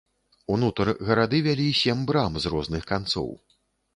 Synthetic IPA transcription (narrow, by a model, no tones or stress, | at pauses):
unut̪ɐrɣɐɾad̪ɨvʲalʲisʲɛmbɾamzrɔznɨxkant̪sɔ̰w